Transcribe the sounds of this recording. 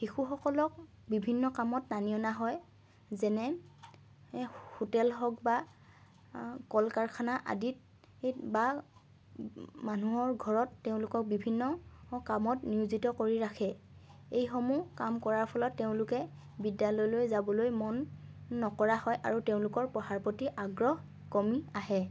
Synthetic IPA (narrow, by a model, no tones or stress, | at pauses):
xixuxɔkɔlɔk̚ | bibʱinːɔkamɔtnanijɔnaɦɔj | zɛnɛ | hotɛlɦɔk̚ba | kɔlkaɹkʰanaʔa̰dit̚ | tba | manuɦɔɹɡʱɔɹɔtːeʊ̃lʊkɔk̚bibʱinːɔkamɔtniuzitɔkoɹiɹakʰɛ | ejxɔmukamkɔɹaɹpʰɔlɔtːeʊ̃lʊkɛ | bidjalɔjlojzabɔlojmɔnːɔkɔɹahɔjʔa̰ɹuteʊ̃lʊkɔɹpɔɦaɹpɔtiʔaɡɹɔh | kɔmiaɦɛ